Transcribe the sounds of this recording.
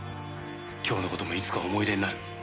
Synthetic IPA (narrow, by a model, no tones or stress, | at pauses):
kʲʰo̞ːno̞ko̞t̪o̞mo̞it͡sɨ̥kao̞mo̞iɾe̞nːaɾi